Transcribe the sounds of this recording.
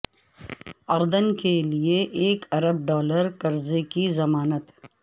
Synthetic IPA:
ɐɾd̪ənkelieʔeːkɐɾəb̚ɖɔːləɾkɐɾzekizɐmaːnət̪

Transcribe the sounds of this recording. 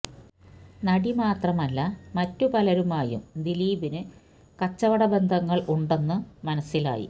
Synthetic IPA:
nɐɽimaːt̪rɐmɐlːɐmɐtːupɐlɐɾumaːjṵmd̪iliːʋinɨ | kɐt͡ɕːɐʋɐɽɐbe̞nd̪ʱɐŋːɐɭʔuɳɖe̞nːɨmɐnɐsːila̰ːjḭ

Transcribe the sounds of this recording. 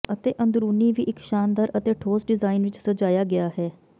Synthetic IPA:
ət̪eːʔə̃nd̪ɾuːniːʋiːʔɪkʃaːnd̪aːɾʔət̪eːʈʰoːsɖɪzaːɪnʋɪt͡ʃsəd͡ʒaːjaːɡɪaːɦɛː

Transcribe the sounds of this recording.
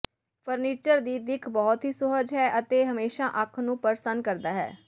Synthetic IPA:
pʰəɾniːt͡ʃəɾd̪iːd̪ɪkʰbɔːt̪ɦiːsʊɦəd͡ʒɦɛːʔət̪eːɦəmeːʃaːʔəkʰnũːpəɾsənkəɾd̪aːɦɛ̰ː

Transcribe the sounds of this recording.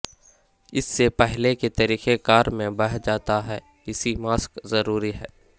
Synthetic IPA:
ɪsːepɛɦleket̪ɐɾiːxekaːɾmẽbɐɽ̤d͡ʒaːt̪aɦɛː | ɪsimaːskzɐɾuːɾiɦɛ̰ː

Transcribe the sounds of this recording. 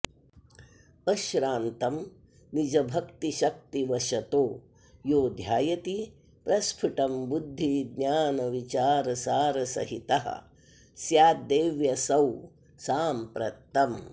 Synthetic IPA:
ɐʃɾaːnt̪ɐm | nid͡ʒɐbʱɐkt̪iʃɐk̚t̪iʋɐʃɐt̪oː | joːd̪ʱjaːjɐt̪i | pɾɐspʰiʈɐmbud̪ʱːid̪ɲaːnɐʋit͡ʃaːɾɐsaːɾɐsɐ̰ɦit̪ɐɦɐ̰ | sjaːd̪eːʋjɐsɐw | saːmpɾɐ̰t̪ːɐm

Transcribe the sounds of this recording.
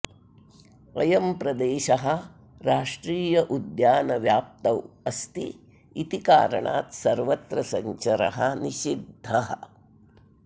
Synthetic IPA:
ɐjɐmpɾɐd̪eːʃɐɦɐ̆ | ɾaːʂʈɾiːjɐʔud̪jaːnɐʋjaːp̚t̪ɐwɐst̪i | it̪ika̰ːɾɐ̰ɳa̰ːt̪sɐɾʋɐt̪ɾɐsɐɲt͡ʃɐɾɐ̰ɦɐniʃid̪ʱːɐɦɐ

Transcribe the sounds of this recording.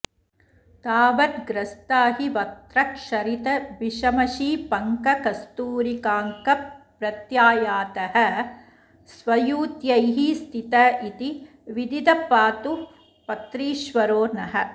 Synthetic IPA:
t̪aːʋɐt̪ɡɾɐst̪aːɦiʋɐt̪ɾɐkʂɐɾit̪ɐʋiʃɐmɐʃiːpɐŋkɐkɐst̪uːɾikaːŋkɐ | ɾɐt̪jaːjaːt̪ɐhɐ̆ | sʋɐjuːt̪jɐjɦist̪ʰit̪ɐit̪i | ʋid̪id̪ɐpaːt̪u | pɐt̪ɾiːʃʋɐɾoːnɐɦɐ̆

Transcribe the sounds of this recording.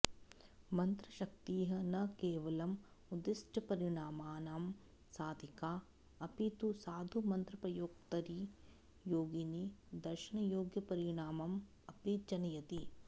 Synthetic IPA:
mɐnt̪ɾɐʃɐkt̪iːɦɐnɐkeːʋɐlɐm | ud̪isʈʰɐpɐɾiɳaːmaːnaːm | saːd̪ʱikaː | ɐpit̪usaːd̪ʱumɐnt̪ɾɐpɾɐjoːk̚t̪ɐɾi | joːɡinid̪ɐɾʃɐɳɐjoːɡjɐpɐɾiɳaːmɐm | ɐpit͡ʃɐnɐjɐt̪i

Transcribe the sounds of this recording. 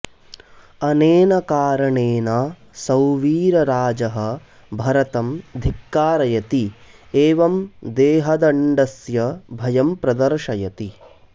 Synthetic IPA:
ɐneːnɐkaːɾɐɳeːna | sɐwʋiːɾɐɾaːd͡ʒɐɦɐ̆ | bʱɐɾɐt̪ɐmd̪ʱikːaːɾɐjɐt̪ieːʋɐmd̪eːɦɐd̪ɐɳɖɐsjɐbʱɐjɐmpɾɐd̪ɐɾʃɐjɐt̪i

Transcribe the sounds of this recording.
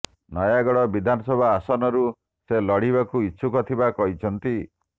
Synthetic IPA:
nɔjaɡɔɽɔbid̪ʱanɔsɔbʱaːsɔnɔɾu | selɔɽibakuiːʃʰukɔt̪ʰibakɔɦit͡ʃʰɔnt̪i

